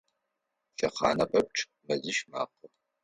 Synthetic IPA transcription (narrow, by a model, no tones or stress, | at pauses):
ʃɐqɑ̰ːnɐpʼɐp̚ʈ͡ʂʼʰ | mɐzɨʃma̰ːqə